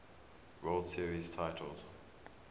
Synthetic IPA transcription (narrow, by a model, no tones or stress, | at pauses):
ɹolˠdsiəɹiz̥tʰaɪtʰəl̩ˠz̥